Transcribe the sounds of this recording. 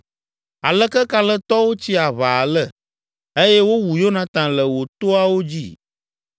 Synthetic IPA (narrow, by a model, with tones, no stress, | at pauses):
a˨lə˦kɛ˦ka˨lə˦t̪ɔ˦wo˦t͡ɕi˦a˨βa˨lə˦ | e˦jɛ˦wo˦wu˨jo˦nã˨t̪ã˨lə˨wo˨t̪o˦a˦wo˦d͡ʑḭ˦